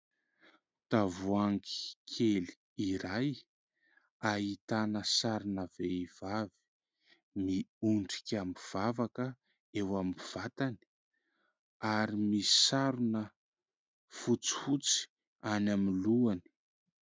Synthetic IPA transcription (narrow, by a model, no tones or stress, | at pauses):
t̪avuaŋki̥kʰeli̥ | iɾaj | aɦit̪anəsaɾunəveiv̥avi̥ | miuɳɖ͡ʐi̥kʲamiv̥avakə | ewamiv̥at̪ani̥ | aɾimisaɾunə | fut͡si̥fut͡si̥ | anamiluani̥